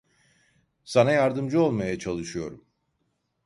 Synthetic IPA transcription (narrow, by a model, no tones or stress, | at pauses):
sanajaɾd̪ɯmd͡ʒɯo̞lˠmajat͡ʃʰalˠɯʃɯjo̞ɾum